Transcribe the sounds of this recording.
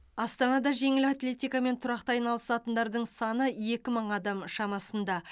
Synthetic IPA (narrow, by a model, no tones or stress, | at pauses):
ɑst̪ɑnɑd̪ɑʒe̞ŋɪlat̪lʲe̞t̪ijkame̞nt̪ʰʊɾɑq̚t̪ɑɑjnɑlˠəsɑt̪ənd̪ɑɾd̪əɴsɑnəje̞kʲɪməɴɑd̪ɑmʃɑmɑsənd̪ɑ